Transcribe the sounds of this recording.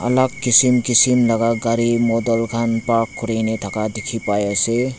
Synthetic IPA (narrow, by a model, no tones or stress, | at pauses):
ə̰laɡ̚kisimkisimləɡaɡaɾimod̪əlɡʰʱanpakkuɾenet̪ʰakad̪ikʰipajese